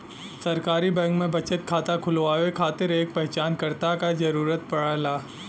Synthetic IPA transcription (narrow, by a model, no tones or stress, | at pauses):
sɐɾkaːɾibɛ̃ːŋkmẽbɐt͡ʃət̪̚kʰaːt̪akʰʊlʋaːʋekʰaːt̪ɪɾeːk̚pɛɦt͡ʃaːnkɐɾt̪akad͡ʒɐɾuːɾət̪̚pɐɽalaː